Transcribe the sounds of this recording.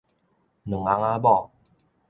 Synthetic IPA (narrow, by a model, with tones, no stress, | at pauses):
nɨ˨˩ŋa˨˦ŋa˦bɔ˦˨